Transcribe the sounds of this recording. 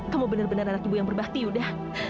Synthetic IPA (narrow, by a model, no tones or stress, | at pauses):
kamubənərbənəranakibujaŋbərbat̪iudah